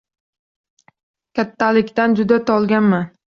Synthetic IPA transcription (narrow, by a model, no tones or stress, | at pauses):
kʲʰat̪ʰːalɪkʲt̪and͡ʒʊd̪at̪ʰɒlˠɡʲanman